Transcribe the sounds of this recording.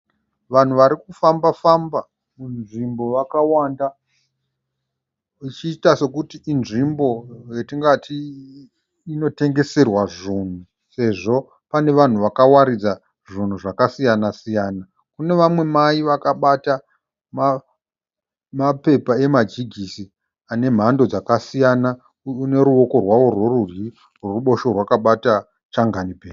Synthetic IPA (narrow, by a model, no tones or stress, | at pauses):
ʋan̤uʋaɾikufambafamba | munʐimbo̞ʋakawanda | it͡ʃiːtase̞kutiːnʐimbo̞jetiŋɡatʰi | no̞te̞ŋɡe̞se̞rwaʐuːn̤u | se̞ʐo̞ | pane̞ʋan̤uʋakawaɾid͡za | ʐin̤uʐakasijanasijaːna | kune̞ʋamwe̞maiʋakaɓata | ma | mape̞pae̞mad͡ʒiɡʱisi | ane̞m̤ando̞d͡zakasijana | une̞ɾuo̞ko̞rwawo̞rworuri | roruɓo̞ʃo̞rwakaɓata | t͡ʃaŋɡanipeːi